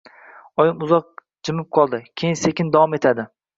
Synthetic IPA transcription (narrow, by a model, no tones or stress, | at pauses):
ɒjɪmʊzɒq̚ | d͡ʒɪmɪp̚qʰɒlˠd̪ɪkʲʰejɪnsekʲɪnd̪awɒme̞t̪ʰad̪ɪ